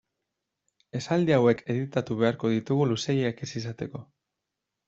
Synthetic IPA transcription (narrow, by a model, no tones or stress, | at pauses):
e̞sald̪iawe̞kʰe̞ðit̪at̪uβ̞e̞aɾko̞ðit̪uɣuluse̞jeekesis̬at̪e̞ko̞